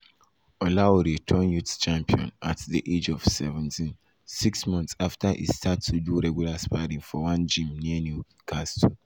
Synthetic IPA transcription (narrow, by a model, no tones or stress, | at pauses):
ɔlawuɾitʰɔnjutt͡ʃãmpiɔ̰̃natðiʔed͡ʒɔv̥sɛvɛ̃ntʰĩn | siksmɔ̃ntsaftaʔḭstʰatʰːuduɹɛɡjulaspadĩŋfɔwãnd͡ʒĩmniənju | kʰastʰu